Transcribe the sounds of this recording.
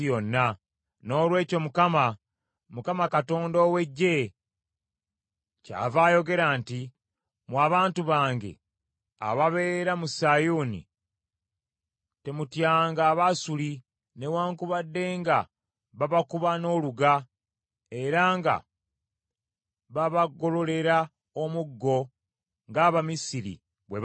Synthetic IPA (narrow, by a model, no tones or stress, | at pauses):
jo̞nːa | no̞ːlwe̞ːco̞mukama | mukamakato̞ːndoːwe̞ɟːe̞ | ca̰ːvaːjo̞ɡe̞ɾaːnti | mwaːβaːntuβaːŋɡe̞̰ | a̰βaβe̞ːɾamusajoːnḭ | te̞mutjaːŋɡaːβasuli | ne̞waːŋkuβadːe̞ːŋɡa | βaβakuβano̞ːluɡa | e̞ɾaːŋɡa̰ | βaβaɡo̞lo̞le̞ɾa | omuɡːo̞ | ŋɡaːβamisiɾḭ | βwe